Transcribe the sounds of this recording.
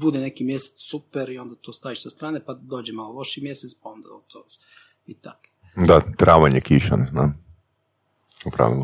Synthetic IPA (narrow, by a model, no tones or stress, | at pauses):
bud̪ene̞kimje̞set̪ssupeɾio̞nd̪at̪oːst̪aːʋiʃsast̪ɾaːnepad̪o̞ːd͡ʑemaːlˠolˠo̞ʃimje̞set̪spaond̪a̰ot̪ʰo | it̪a̰ko̥ | d̪at̪ɾaːʋaɲekiʃa̰nna | upɾa̰ːʋilˠo